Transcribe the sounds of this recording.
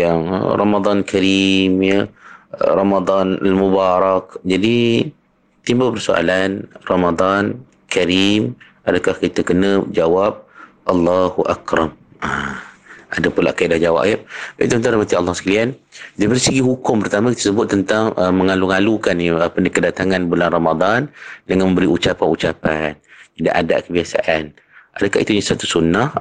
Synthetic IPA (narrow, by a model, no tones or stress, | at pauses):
jaŋ̰rɑmad̪ˤɑnkʰaɾimjə̰ | rɑmad̪ˤɑna̰lmubaɾɑk̚d͡ʒadi | t̪imbapərsoa̰lanrɑmad̪ˤɑn | kaɾim | adakahkit̪akənə̃d͡ʒawap̚ | ʔɑlːɑhuʔa̰kɾɑmə | adapulaʔkajiʔdahd͡ʒawa̰ʔjaaḭt̪uənt̪aɾamat̪ialːɑhsə̥kaliandibəɾsəɡiɦukʊmpəɾt̪amãkit̪əsəbʊt̪ːənt̪aŋʔəmə̃ŋaluŋalukanəapənikədat̪aŋanbulanramad̪ˤɑndəŋanmə̃mbəɾiʔut͡ʃapanut͡ʃapanida̰ʔada̰ʔkəbiasa̰ʔan | ʔadakahḭt̪uɲasat̪usunːah